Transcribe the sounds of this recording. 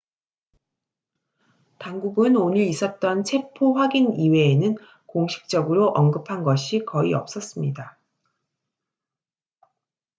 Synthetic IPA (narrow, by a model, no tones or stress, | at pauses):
taŋɡuɡɯnoniɾis͈ʌt̚t͈ʌnt͡ɕʰe̞pʰoɸwaɡiniwe̞ːnɯn | koŋɕʰi̥k̚t͡ɕ͈ʌɡɯɾoʔʌnɡɯpʰanɡʌɕʰikʌiʌp̚s͈ʌs͈ɯmɲida